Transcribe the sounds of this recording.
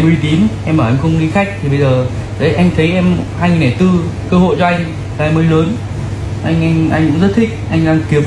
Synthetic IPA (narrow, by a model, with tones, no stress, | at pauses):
ɛ˧mɾi˧t̪i˨˦mʔɛ˧mʔəː˨˩ʔa˧ŋ̟xə˧wŋ͡mni˧xa˦˥k̚t̪ʰi˨˩ɓə˧jzəː˨˩ | zə˨˦ʔa˧jŋ̟t̪ʰə˨˦jʔɛ˧mhaː˧ŋi˨˩na˨˩jt̪ɨ˧kəː˧ɦo̰˧˨jt͡ɕɔ˧ʔa˧jŋ̟ | a˨˩ʔjməː˨˦jləː˨˦n | ʔa˧jŋ̟ʔa˧jŋʔa˧jŋkʊ̰˧˥ŋ͡mzə˦˥t̚t̪ʰï˥k̟̚ʔa˧jŋ̟ɗaː˧ŋki˨˦ə